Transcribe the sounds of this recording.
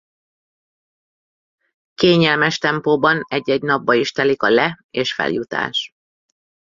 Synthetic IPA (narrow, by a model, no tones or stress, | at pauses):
keːɲɛlmɛʃt̪ɛmpoːbɒnɛɟːɛɟnɒbːɒiʃt̪ɛlikɒlɛ | eːʃfɛ̰ljut̪a̰ːʃ